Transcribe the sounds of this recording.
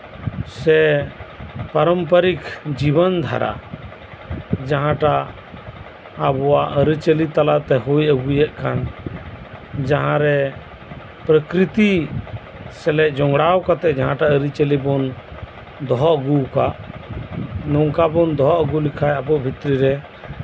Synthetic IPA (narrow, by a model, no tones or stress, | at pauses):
sɛ | pəɾəmpəɾikʰd͡ʒibənd̪ʱa̰ɾa̰ | d͡ʒaɦãʈa | bɔwaʔəɾit͡ʃəlit̪alat̪ɛɦujəɡujɛʔkan | d͡ʒaɦãɾɛ | pɾəkɾit̪i | sɛlɛʔd͡ʒɔŋɡɽawkat̪ɛʔd͡ʒaɦãʈaəɾit͡ʃəlibɔn | d̪ɔɦɔʔəɡukaʔ | nɔŋkabɔnd̪ɔɦɔʔəɡulikʰajəbɔʔbʱit̪ɾiɾɛ